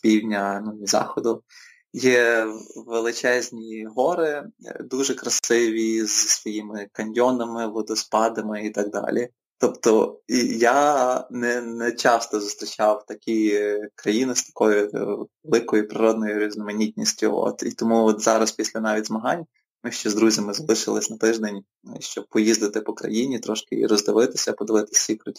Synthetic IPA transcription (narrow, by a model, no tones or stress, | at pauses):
pʲiwdʲnʲɐnunʲizɑ̰xɔd̪ʊ | jɛ | ʋelˠɪt͡ʃɛzʲnʲiɦɔɾɪd̪uʒɛkɾɐsɪʋʲizsʋɔjimɪkɐnʲjɔnɐmɪʋɔd̪ɔspɑd̪ɐmɪit̪ɑɡ̚d̪ɑ̰lʲi | t̪ɔpt̪ɔijanɛnɛt͡ʃɑst̪ɔzʊst̪ɾʲit͡ʃɑwt̪ɐkʲikɾɐjinɪst̪ɐ̥kɔjʊʋelˠɪkɔjʊpɾɪɾɔd̪̚nɔjʊɾʲiznɔmɐnʲit̪ʲnʲisʲtʲʊ̰ɔ̰t̪ḭt̪ɔmuɔt̪zɑɾɐspʲisʲlʲɐnɑʋʲidʲzmɐɦɑnʲ | mɪʃt͡ʃɛzd̪ɾuzʲɐmɪzɐlˠɪʃɪlˠɪsʲnɐt̪ɪʒd̪enʲ | ʃt͡ʃɔb̚pɔjizd̪ɪt̪ɪpɔkɾɐ̰jinʲit̪ɾɔʃkɪ̰ḭɾɔzd̪ɪʋɪt̪ɪ̥sʲɐpɔd̪ɪʋɪt̪ɪ̥sʲikɾʊtʲi